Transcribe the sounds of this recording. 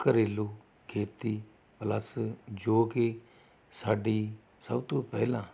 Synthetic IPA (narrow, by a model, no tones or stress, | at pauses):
kəɾeːloː | kʰeːt̪iː | pləsd͡ʒoːke | saːɖiː | səbt̪õːpɛ̰ːlãː